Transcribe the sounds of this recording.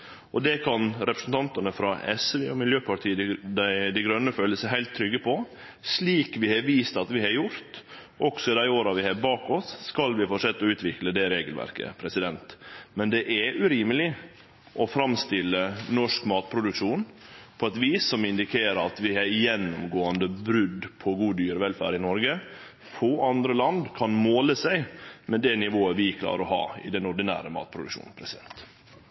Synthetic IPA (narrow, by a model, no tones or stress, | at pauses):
ʔɔd̪ɛkʰɑnɾɛpɾə̥sn̩t̪ɑnt̪ɑnəfɾɑɛsʋeɔmɪljøːpʰɑʈ̪ʰiːd̪æɪd̪æɪɡɾœnːəføːləsəɦæɪlt̪ʰːɾʏɡːəpʰɔ | sliːkʋɪhɑɾʋiːst̪ɑt̪ʋɪhɑɾjʊɾt̪ | ʔɔɡsɔɪd̪æɪoːɾɑʋɪhɑbɑːkɔsːkɑlʋɪfoʂɛt̪ːɔʉːt̪ʋɪkləd̪ɛɾeːɡəlʋæ̰ɾkə̰pʰɾɛsɪd̪ɛnt̪mɛnd̪ɛʔæɾʉɾiːməlɪ | ʔɔfɾɑmst̪ɪlːənɔʂkmɑːt̪̚pʰɾʊd̪ʉkʂuːnpʰɔɛt̪ʋiːsɔmɪnd̪ɪkʰeːɾəɑt̪ʋɪhæjɛnːʊmɡoːənd̪əbɾʉd̪pʰɔɡuːd̪yːɾʋɛlfæ̰ːɾɪnɔɾɡə | foːʔɑnd̪ɾəlɑnd̪kʰɑnmoːləsæɪmɛd̪ɛnɪʋoːəʋɪkʰlɑ̰ːɾəɾɔhɑ̰ːɪ̰d̪ɛnʊɖɪnæ̰ːɾəmɑ̰ːt̪̚pʰɾʊd̪ʉkʂṵːnpʰɾɛsɪd̪ɛ̰nt̪